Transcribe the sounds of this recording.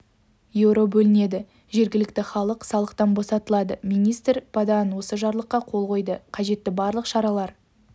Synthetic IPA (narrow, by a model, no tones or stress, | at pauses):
jewɾo̞bɵlɪne̞d̪ɪ | ʒe̞ɾɡʲɪlɪkt̪ɪχɑlˠəqsɑlˠəqt̪ɑnbo̞sɑt̪əlˠɑd̪əmijnijst̪rpʰad̪ɑnwo̞səʒɑɾlˠəqːɑqʰo̞lˠʁo̞jd̪əqʰɑʒe̞t̪ːɪbɑɾlˠəqʃɑɾɑlˠɑɾ